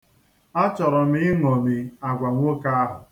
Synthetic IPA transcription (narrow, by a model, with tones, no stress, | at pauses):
a˦t͡ʃɔ˨ɾɔ˨m̩ɪ˦ɪ˦ŋɔ˨mi˨a˨ɡʷa˨ŋʷo˦ka˦a˦ɦʊ˨